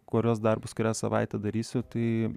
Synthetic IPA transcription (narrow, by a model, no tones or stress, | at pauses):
koːɾʲoːs̬d̪ɐrbʊsʲkʊɾʲæːsɐʋɐ̰ɪt̪ʲɛd̪ɐɾʲiːsʲʊt̪ɐɪ